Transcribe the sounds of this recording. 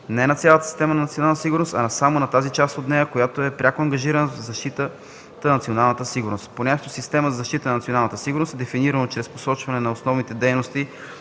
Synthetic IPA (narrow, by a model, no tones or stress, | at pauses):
nɛnɐt̪sʲjalˠət̪ə̥si̥st̪ɛmənɐnɐt̪sionalˠsiɡʊɾnost̪ɐ̰nɐsamonɐt̪azit͡ʃast̪ot̪nɛjəkojat̪oɛpɾʲakoɐŋɡɐʒiɾənəvzɐʃt̪it̪ə | t̪ɐnɐt̪sionalˠnət̪əsiɡʊɾnost̪ponʲakt̪ʊsist̪ɛməzəzɐʃt̪it̪ənɐnɐt̪sionalˠnət̪əsiɡʊɾnost̪ɛd̪ɛfiniɾɐnot͡ʃɾɛspo̥sɔt͡ʃvɐnɛnɐosnɔvnit̪ɛd̪ɛjnost̪i